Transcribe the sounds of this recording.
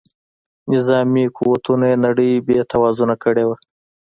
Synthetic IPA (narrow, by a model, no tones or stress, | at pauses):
nɪzɑmikuwat̪unaenaɽəjbjet̪ʰawɑzunakəɽewa